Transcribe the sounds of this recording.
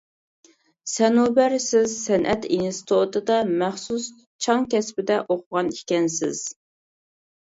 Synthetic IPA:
sɛnubæɾsɪzsɛnʔɛt̪ʰinst̪ʰot̪ɨd̪ɑmæχsus | t͡ʃʰɑŋkʲʰɛspɪd̪ɛʔoqʰʊʁɑnikʲɛnsɪ̰z̥

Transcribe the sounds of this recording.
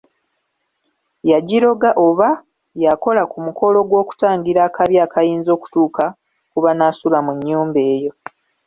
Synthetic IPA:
jaɟiɾo̞ɡaʔo̞βa | jako̞lakumukʰo̞lo̞ɡwo̞ːku̥taːŋɡiɾaːkaβjaːkajiːnzo̞ːku̥tuːka | kuβanasulamuɲːuːmbe̞ːjo̞

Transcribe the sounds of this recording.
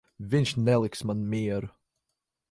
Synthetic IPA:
vinʃnɛlˠɪksmanmiɛɾ

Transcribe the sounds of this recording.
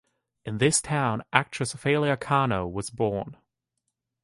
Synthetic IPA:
ɨ̃nðɪstʰãʊ̃nʔæk̚t͡ʃʰɹ̥ɨsfeɪlˠiɨkʰɑnoʊwʌzbɔɹn

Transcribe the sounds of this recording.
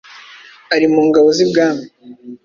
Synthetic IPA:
aɾimuːŋɡaβozibɡaːmi

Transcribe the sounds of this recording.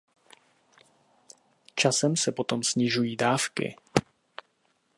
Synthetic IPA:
t͡ʃasɛmsɛpo̞t̪o̞msɲɪʒujiːdaːfkɪ̰

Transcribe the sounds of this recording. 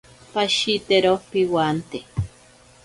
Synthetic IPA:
paʃit̪eɾopiwant̪e

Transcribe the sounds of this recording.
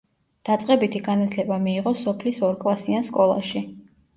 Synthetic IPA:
d̪̥at̪sʼqʼɛbit̪ʰiɡanat̪ʰlɛbamiːʁɔsɔpʰlisɔɾkʼlˠasianskʼɔlˠa̰ʃi

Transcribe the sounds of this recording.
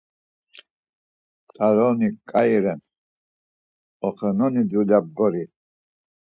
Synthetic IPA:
t̪ʰaɾɔnikʼaiɾɛn | ɔχɛnɔnid̪ulab̚ɡɔɾi

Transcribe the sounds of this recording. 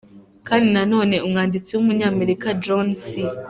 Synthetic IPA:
kaːndinano̞ːne̞umŋaːndit͡siwumuɲaːme̞ɾikad͡ʒonsi

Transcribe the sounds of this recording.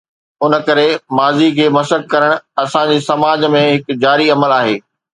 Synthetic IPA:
ʊnəkɐɾemaːzikʰeːmɐsək̚kɐɾəɽ̃ɐsãd͡ʑeːsɐmaːd͡ʑmẽɦɪkd͡ʑaːɾiɐməlaːɦeː

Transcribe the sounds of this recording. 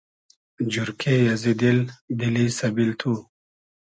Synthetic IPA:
d͡ʑuɾkʰejazid̪ild̪ilisɐbilt̪ʰu

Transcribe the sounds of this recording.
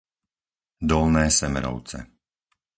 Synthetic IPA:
d̪ɔlnɛːsɛmɛɾɔ̰ʊt͡sɛ̰

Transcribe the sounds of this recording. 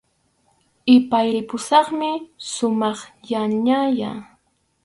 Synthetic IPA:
ɪpajɾɪpʊsɑχmɪsʊmɑχjaɲaja

